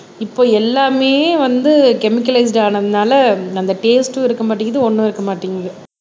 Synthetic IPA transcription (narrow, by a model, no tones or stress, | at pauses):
ɪpːoːɛlːaːmeːʋɐnd̪ɯkɛmɪkːɐlɐɪs̬ɖaːnɐðɯnaːlɐɐnd̪ɐʈeːsʈɯɪɾɯkːɐmaːʈ̬ːɪŋɡɐðɯɔnːɐ̃ɪɾɯkːɐmaːʈːiŋɡɐðɐ